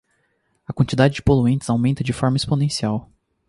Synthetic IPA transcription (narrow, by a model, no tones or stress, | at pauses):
ɐkwɐ̃nt͡ʃid̪ad͡ʒɪd͡ʒɪpoluẽnt͡ʃ̪ɪ̥z̥awmẽnt̪ɐd͡ʒɪfɔɾmɐesponẽsiaw